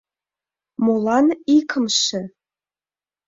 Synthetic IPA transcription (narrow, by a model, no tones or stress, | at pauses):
molˠɑnikʰɤmʃɘ̆